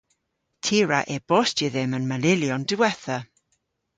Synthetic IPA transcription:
tʰiɾaʔɛb̥ɔstʰiðɪmənmalɪljɔndɪwɛθa

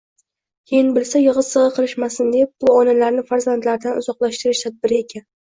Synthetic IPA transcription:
kʲʰejɪnbɪlsajɨʁɨɨʁɨqʰɨlˠɪʃmasɪnd̪e̞p̚b̥ʊɒnalaɾnɪfaɾzant̪laɾd̪anʊzɒqlˠaʃt̪ɪɾɪʃt̪ʰad̪̚bɪɾɪekʲʰan

